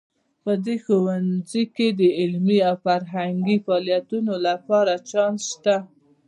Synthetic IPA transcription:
pəd̪exowanziked̪əɪlmiawfaɾɦaŋɡifɑlijat̪unolapɑɾat͡ʃɑnʃt̪a

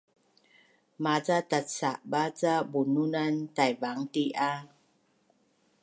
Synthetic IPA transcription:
mad͡zat̪at̚t͡saʔbat͡sabununantajbaŋtiʔa

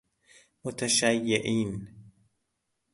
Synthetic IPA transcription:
mʊt̪ʰaʃæjːeʔiːn

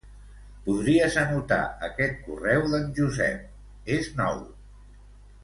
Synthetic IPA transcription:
puðɾiəzənut̪a̰əkɛt̪̚kurɛwðənʲʒuzɛ̰p̚ | eznɔ̰w

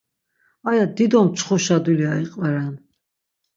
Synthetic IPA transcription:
ajad̪id̪ɔmt͡ʃʰχuʃad̪uliaiqʼvɛɾɛn

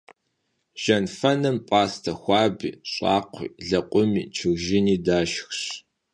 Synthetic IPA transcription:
ʒ̥ɐnfɐnɐmpʼaːstʰɐxʷɑːbḭːɕʼɑ̰ːqʷʰḭːɮɐqʷʼʊmḭːt͡ʃʰɨɣʒɪniːdaːʃxɕ

